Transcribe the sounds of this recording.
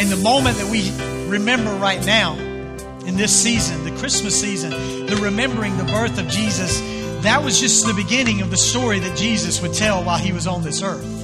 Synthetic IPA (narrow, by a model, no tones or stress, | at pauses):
ɨ̃nðɨmõʊ̃mɨ̃nðɨt̚wiɹɨmɛ̃mbə˞ɹaɪtⁿnaʊ | ɨ̃nðɪsizɨ̃nðɨkʰɹ̥ɪsmɨsizɨ̃n | ðɨɹɨmɛ̃mbə˞ɪ̃ŋðəbɜ˞θʌvd͡ʒizɨs | ðɨt̚wʌzd͡ʒʌsðɨbɨɡɪ̃nɪ̃ŋʌvðɨstɔɹiðɨt̚d̥ʒ̥izɨswɨd̚tʰɛlˠwaɪlˠiwʌzn̩ðɪsɜ˞θ